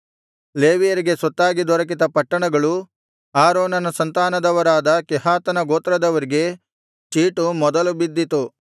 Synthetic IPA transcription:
le̞ːʋijɐɾiɡe̞sɔt̪ːaːɡid̪ɔɾɐk̬it̪ɐpɐʈːɐɳɐɡɐɭu | aːɾoːnɐnɐsɐnt̪aːnɐd̪ɐʋɐɾaːd̪ɐkɛɦaːt̪ɐnɐɡoːt̪ɾɐd̪ɐʋɐɾiɡe̞ | t͡ʃiːʈumɔd̪ɐlubid̪ːit̪u

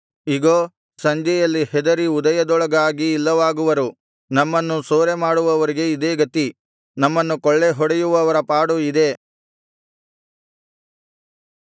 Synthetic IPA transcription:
iɡoː | sɐɲd͡ʒɛjɐlːihɛd̪ɐɾiud̪ɐjɐd̪ɔɭɐɡaːɡiːlːɐʋaːɡuʋɐɾu | nɐmːɐnːusoːɾemaːɽuʋɐʋɐɾiɡe̞id̪eːɡɐt̪i | nɐmːɐnːukɔɭːe̞ɦɔɽejuʋɐʋɐɾɐpaːɽuid̪e̞

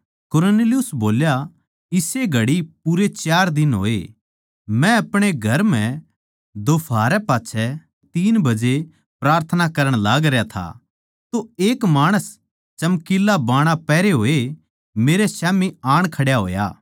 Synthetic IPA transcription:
kʊɾoneːlijʊsboːlja | ɪseɡʱɐɽipuɾet͡ʃaːɾd̪ɪnɦo̰ːe | mɛ̃ɐpɽ̃eɡʱɐɾmɛ̃ | d̪oːpʰaːɾɛpaːt͡ʃʰɛ | t̪iːnbɐd͡ʒe | pɾaːɾt̪ʰənakɐɾə̃ɽ̃laːɡɾjat̪ʰa̰ | t̪oeːkmaːɽ̃əs | t͡ʃɐmkɪlːabaːɽ̃apɛːɾeɦoːe | meːɾesaːmiaːɽ̃kʰɐɽjaɦo̰ːja̰ː

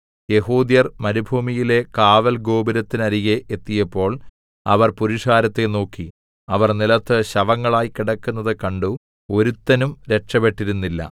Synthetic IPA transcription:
je̞ɦuːd̪jɐrmɐɾubʱuːmijile̞kaːʋɐlɡo̞ːbɐɾɐt̪ːinɐɾiɣeʔet̪ːijɐpːo̞ːɭ | ɐ̰ʋɐrpuɾiʂaːɾɐt̪ːe̞no̞ːkːi | ɐʋɐrnilɐt̪ːɨɕɐʋɐŋːɐɭaːjkiɽɐkːunːɐðɨkɐɳɖu | o̞ɾut̪ːɐnumɾe̞ʈʂɐpe̞ʈːiɾunːilːɐ̰

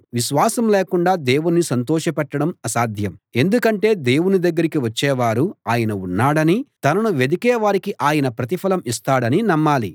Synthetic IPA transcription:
ʋiʃʋaːsɐmleːkuɳɖaːd̪e̞ːwunːisɐnt̪ɔːʃɐpɛʈːɐɽɐmɐsaːd̪ʱjɐme̞nd̪ukɐɳʈe̞ːd̪e̞ːwunid̪ɐɡːɐɾikiʋɐt͡ʃːɛːʋaːɾuaːjɐnɐunːaːɽɐnit̪ɐnɐnuʋed̪ikɛːʋaːɾikiʔaːjɐnɐpɾɐt̪̬ipʰɐlɐmist̪aːɽɐninɐmːaːlḭ

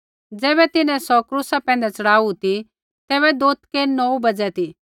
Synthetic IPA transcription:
d͡zɛːbɛt̪ɪnɛ̃sɔkɾuːsapɛ̃ːn̆d̪ɛt͡sɐɽaːut̪i | t̪ɛːβɛd̪oːt̪ʰkenɔubɐd͡zɛt̪i

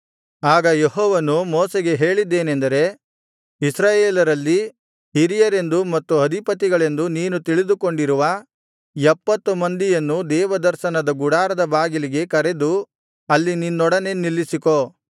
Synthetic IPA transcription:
aːɡɐjeɦɔːʋɐnumoːseɡe̞ɦe̞ːɭid̪ːeːnend̪ɐɾe̞ | isɾaːjeːlɐɾɐlːi | ɦiɾijɐɾe̞nd̪umɐt̪ːuɐd̪ʱipɐt̪̬iɡɐɭe̞nd̪uniːnut̪iɭid̪uko̞ɳɖiɾuʋɐ | jɛpːɐt̪ːumɐnd̪ijɐnːud̪ɛːʋɐd̪ɐɾʃɐnɐd̪ɐɡuɽaːɾɐd̪ɐbaːɡiliɡe̞kɐɾe̞d̪u | ɐlːininːɔɽɐne̞nilːisiko̞

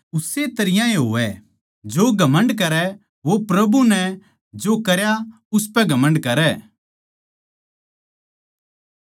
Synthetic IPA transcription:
ʊset̪ɐɾɪjãeɦoːʋɛ | d͡ʒoɡʱɐmə̃ɳɖk̬ɐɾɛ | ʋopɾɐbunɛ | d͡ʒokɐɾja | ʊspɛɡʱɐmə̃ɳɖkɐɾɛː

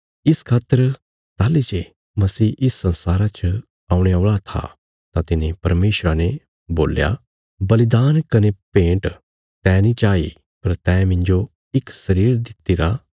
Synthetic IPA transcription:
ɪskʰaːt̪ːəɾ | t̪aːlid͡ʒe | mɐsiːʔɪsːɐ̃nsaːɾat͡ʃʰ | aːũɽ̃eoːɭat̪ʰa̰ | t̪at̪ɪnẽpɐɾmeːʃɾane | boːlja̰ | bɐlɪd̪aːnkɐnepẽːɳʈ | t̪ɛ̃ːnĩt͡ʃaːḭ | pɐɾt̪ɛ̃ːmɪ̃ɲd͡ʒo | ɪksɐɾiːɾd̪ɪt̪ːiɾa

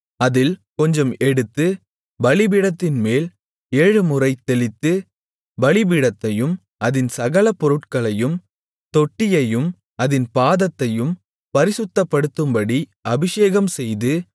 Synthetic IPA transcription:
ɐðɪlkɔɲd͡ʒɐmɛɽɯt̪ːɯ | bɐɭɪbɪɽɐt̪ːɪnmeːl | eːɻɯmʊrɐɪt̪ːɛɭɪt̪ːɯ | ʋɐɭɪbɪɽɐt̪ːɐjɯm | ʔɐðɪnsɐɣɐlɐpːɔɾɯʈkɐɭɐjɯm | t̪ɔʈːɪjɐjɯm | ʔɐðɪnpaːðɐt̪ːɐjɯm | pɐɾɪsɯt̪ːɐpːɐɽɯt̪ːɯmbɐɽiʔɐbɪʂeːɣɐmsɛjðɯ

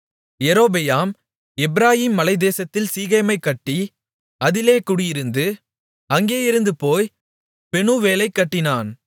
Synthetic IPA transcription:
jɛɾoːbɛjaːm | ɛbɪɾaːjiːmːɐlɐɪd̪eːsɐt̪ːɪlsiːɣɐjmɐɪkːɐʈːi | ɐðɪleːkʊɽʊjɪɾɯnd̪ɯ | ɐŋɡeːɪɾɯnd̪ɯpoːj | pɛɳuːʋeːlɐɪkːɐʈːɪnaːn

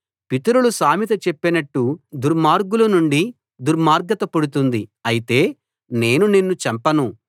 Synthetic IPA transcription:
pit̪ɐɾulusaːmit̪ɐt͡ʃepːinɐʈːud̪uɾmaːɾɡulɐnuɳɖi | d̪uɾmaːɾɡɐt̪ɐpuɽut̪und̪iɐjit̪e̞ː | ne̞ːnuninːut͡ʃɐmpɐnu

